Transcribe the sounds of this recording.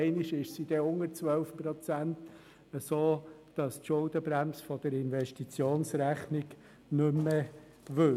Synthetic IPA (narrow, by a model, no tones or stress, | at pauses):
ɪniʃɪʃsid̥̪ɛʊŋəɾt͡sʋœlfpɾɔt͡sænt | əsoːd̥ɑstʃʊldəbɾæmsfɔd̥əɾɪnvɛʃtit͡sjoːnsɾæχnɪɡ | nʏmːə | ʋɵ